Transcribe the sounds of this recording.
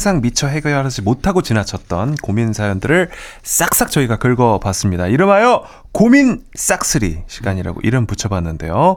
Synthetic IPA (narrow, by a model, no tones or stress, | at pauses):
sʰaŋmit͡ɕʰʌɦe̞ɡʌjʌɾad͡ʑimotʰaɡot͡ɕinat͡ɕʰʌt̚t͈ʌnkominsʰajondɯɾɯɭ | s͈ak̚s͈ak̚t͡ɕ͈ʌiɡakɯɭɡʌpas͈ɯmɲidaiɾɯmɦajʌ | komins͈ak̚s͈ɯɾḭɕʰiɡaɲiɾa̰ɡo̰ʔiɾɯmput͡ɕʰʌbanːɯnde̞̰jo